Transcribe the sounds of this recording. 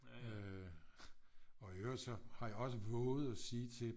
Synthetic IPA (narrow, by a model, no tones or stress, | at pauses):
ø | ɒ̽øɐsɒ̽hɑ̈jɑ̈ɒ̽səʋɔ̽ːð̩ˠɒsiːt͡sʰe̝